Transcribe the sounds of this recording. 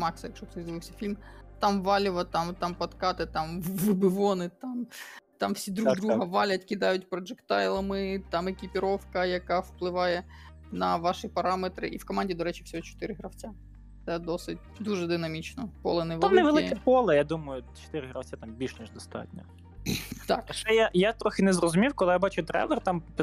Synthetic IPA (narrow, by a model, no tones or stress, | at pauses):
mɑksɐjɐkʃɔxt̪ɔzd̪ɐbɪwsʲɐ̥fʲilʲmt̪ɑmʋɑlʲɪʋɐt̪ɑmt̪ɑmpɐt̪kɑt̪ɪt̪ɑmʋɪbɪʋɔnɪt̪ɑmt̪ɑmfsʲid̪ɾud̪ɾuɦɐʋɑlʲɐtʲkʲɪd̪ɑjʊt̚ʲpɾɔd͡ʒɛkt̪ɑjlˠɐmɪt̪ɑmekʲipʲɪɾɔwkɐjɐkɑwplˠɪʋɑjɛ | nɐʋɑʃipɐɾɑmet̪ɾɪ̰ʔiwkɔmanʲdʲid̪ɔɾɛt͡ʃi̥fsʲɔɦɔt͡ʃɔ̥t̪ɪɾɪɦɾɐwt͡sʲa | t̪sɛd̪ɔsɪt̚ʲd̪uʒɛd̪ɪnɐmʲit͡ʃnɔpɔ̰lˠɐnɛʋ̪amnɛʋelˠɪkɛpɔlˠɐjad̪umɐjʊt͡ʃɔ̥t̪ɪɾɪɦɾɐwt͡sʲat̪ɑmbʲilʃnʲiʒd̪ɔst̪ɑ̰tʲnʲɔ̰ | t̪ɑ̰kt͡ʃɛjajat̪ɾɔxɪnɛzrɔzʊmʲiwkɔlˠɪjabɑt͡ʃʊt̪ɾɛ̰lˠɛrt̪ɑmp